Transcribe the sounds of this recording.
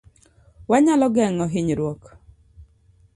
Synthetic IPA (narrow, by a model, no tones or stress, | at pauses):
waɲalɔɡɛŋɔɦɪɲɾwok